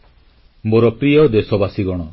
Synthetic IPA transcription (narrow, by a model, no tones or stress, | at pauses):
moɾɔpɾijɔd̪esɔbasiɡɔɽ̃ɔ